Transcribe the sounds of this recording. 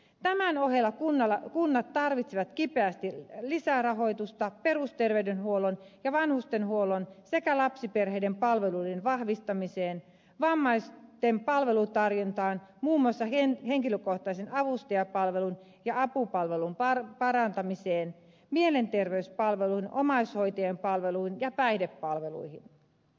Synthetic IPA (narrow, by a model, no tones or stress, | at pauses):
t̪æmænoɦelːɑkunːɑlːɑkunːɑt̪ːɑrʋit̪siʋɑt̪kipeæst̪ilisærɑɦo̞ijt̪ust̪ɑperust̪erʋeydenhuolonjɑʋɑnhust̪enhuolonsekælɑpsiperɦejdempɑlʋelulenʋɑhʋist̪ɑmiseːn | ʋɑmːɑist̪empɑlʋelut̪ɑrjont̪ɑːnmuːmːuɑsːɑenheŋkiløkoht̪ɑisenɑʋust̪iɑpɑlʋelun | jɑɑpupɑlʋelumpɑrpɑɾɑnt̪ɑmiseːn | mielent̪erʋeyspɑlʋeluiinʔomɑishoit̪ɑjempɑlʋeluinjɑpæidepːɑlʋelṵihin